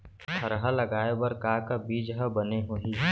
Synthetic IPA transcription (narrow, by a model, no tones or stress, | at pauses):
kʰəɾɦalɐɡaːebɐɾkaːkabiːd͡ʒɦəbəneɦoːɦi